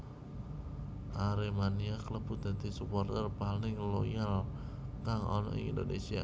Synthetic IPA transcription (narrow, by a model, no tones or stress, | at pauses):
ʔaɾemaniakələb̥ṳd̪̥ä̤d̪̥i̤supɔrt̪ərpalnɪŋlojalkaŋɔ̰nɔ̰ḭŋḭnd̪onesia̰